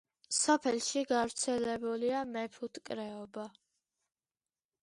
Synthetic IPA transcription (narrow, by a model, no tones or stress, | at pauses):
sɔpʰɛlʃiɡavɾt̪sʰɛlɛbuliamɛpʰut̪ʰʼkʼɾɛɔba